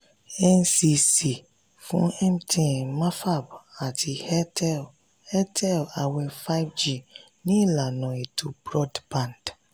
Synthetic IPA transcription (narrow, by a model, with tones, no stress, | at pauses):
ɛ˦nsi˨si˨ | fʊ̰̃˦ɛ̃˦mtʰĩ˨mã˦fa˦˨ba˨tʰɪ˨hɛ˦tʰɛ˦l | hɛ˦tʰɛ˦˨la˨wɛ˨fa˦vd͡ʒi˦˨ | nĩ˦la˨nɔ̃˨e˨tʰu˨bɾɔ˦dbã˨nd̥